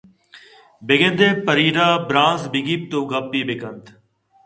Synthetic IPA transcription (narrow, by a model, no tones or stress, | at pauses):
beɡẽnd̪eːpəɾiːɾaːbɾãːnsbɪɡiːp̚t̪oːɡapːiːbekənt̪